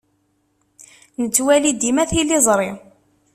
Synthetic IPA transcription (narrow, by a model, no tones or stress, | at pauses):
nət͡sːwælid̪imæθilizˤɾˤi